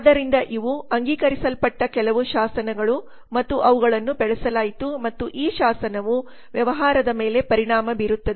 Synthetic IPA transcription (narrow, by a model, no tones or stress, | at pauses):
d̪ɐɾind̪ɐʔiʋuɐŋɡiːkɐɾisɐlpɐʈːɐkɛlɐʋuʃaːsɐnɐɡɐɭu | mɐt̪ːuʔɐʋuɡɐɭɐnːubɛɭɛsɐlaːjit̪umɐt̪ːuʔiːʃaːsɐnɐʋu | ʋjɐʋɐɦaːɾɐd̪ɐme̞ːle̞pɐɾiɳaːmɐbiɾut̪ːɐd̪e